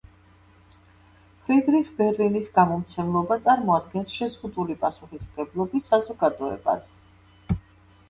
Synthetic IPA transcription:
pʰɾid̪ɾiχbɛɾlinisɡamɔmt̪sʰɛmlˠɔbat̪sʼaɾmɔad̪̚ɡɛnsʃɛzʁud̪ulipʼasuχismɡɛblˠɔbisːazɔɡad̪ɔɛ̰ba̰s

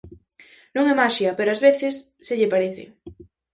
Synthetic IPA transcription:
nõŋɛmaʃjapeɾoazβeθesːeʎepaɾeθḛ

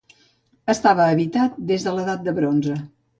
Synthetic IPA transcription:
əst̪aβəːβit̪at̪̚d̪ezðələðat̪̚d̪əβɾonzə

